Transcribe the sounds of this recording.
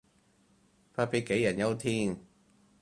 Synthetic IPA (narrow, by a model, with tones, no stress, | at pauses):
pʰaː˧pe˨˧˩ke˨˥jːa˨˩nja˧wt̪ʰiː˧˩ŋ